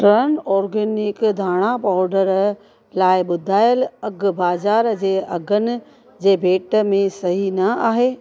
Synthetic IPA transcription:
ʈɾənɔːɾɡeːnɪkd̪ʱaːɽ̃apaːɾɖəɾ | laːɪɓʊd̪ʱaːjəlɐɡbaːzaːɾd͡ʑeːʔɐɡʱənɪ̆ | d͡ʑeːbʱeːʈəmẽsɐɦinɐaːɦeː

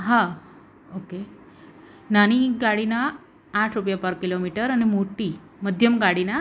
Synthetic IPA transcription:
ɦã | oke | nañiɡaɽinaː | ʈʰɾupjapaɾkilomiʈəɾanimoʈi | məd̪ʱjəmɡaɽina

